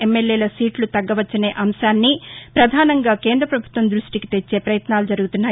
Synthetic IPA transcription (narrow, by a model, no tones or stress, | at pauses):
emːeljeːlɐsiːʈlut̪ɐɡːɐʋɐt͡ʃːɐneːʔɐmʃaːnːipɾɐd̪ʱaːnɐŋɡaːkeːnd̪ɾɐpɾɐbʱut̪ʋɐnd̪ɾuʂʈiki̥t̪et͡ʃːe̞ːpɾɐjɐt̪naːlud͡ʒɐɾuɡut̪unːaː